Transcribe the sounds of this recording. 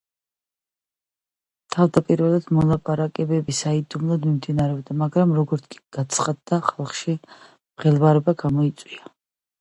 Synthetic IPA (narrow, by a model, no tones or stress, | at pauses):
t̪ʰavd̪apʼiɾvɛlˠad̪mɔlˠapʼaɾakʼɛbɛbisaid̪umlˠad̪mimd̪inaɾɛɔb̚d̪amaɡɾamɾɔɡɔɾt̪sʰkʼi̥ɡ̥at̪sʰχad̪ːaχalˠχʃi | mχɛlˠvaɾɛbaɡamɔit̪sʼwia